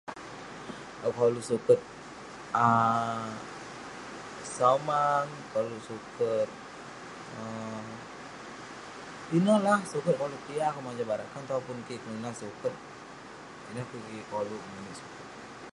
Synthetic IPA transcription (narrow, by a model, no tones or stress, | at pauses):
əkolusukət̪̚ | ə | samaŋkolusukət̪̚ | ə | t̪inəlahsukət̪̚kolukijakumad͡ʒabaɾakant̪aupʊnkikənənasukət̪̚ | inakukikolumunisu̥kət̪̚